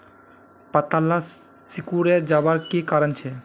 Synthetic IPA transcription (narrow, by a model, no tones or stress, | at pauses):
pat̪alːa | sikuɾeɾd͡ʑabaɾkekaɾant͡ɕʰe